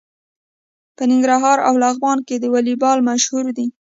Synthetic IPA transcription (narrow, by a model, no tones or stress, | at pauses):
pənɪŋɡɾaɦɑɾa̰wlaɣbɑnked̪əwalibɑlmaʃhuɾd̪i